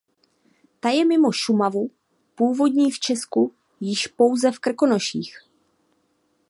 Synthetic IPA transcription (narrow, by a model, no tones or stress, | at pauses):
t̪ajɛmɪmo̞ʃumavu | puːvo̞dɲiːft͡ʃɛsku | jɪʃpo̞wzɛfkr̩ko̞no̞ʃḭːx